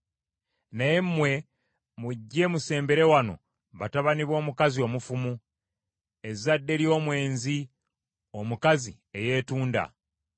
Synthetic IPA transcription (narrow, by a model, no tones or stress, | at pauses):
naje̞mmwe̞ | muɟːe̞muse̞ːmbe̞ɾe̞wano̞̰ | βataβaniβwo̞ːmukazio̞ːmufumu | e̞zadːe̞ɾjo̞ːmwe̞ːnzi | omukazi | e̞je̞ːtuːnda̰